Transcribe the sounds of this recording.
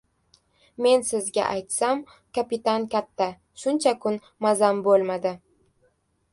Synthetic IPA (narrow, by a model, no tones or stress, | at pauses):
me̞nsɪzɡʲa̰ʔajt̪sam | kapɪt̪ankʲʰat̪ʰːa | ʃʊnt͡ʃʰakʰʊn | mazambolˠmad̪ɪ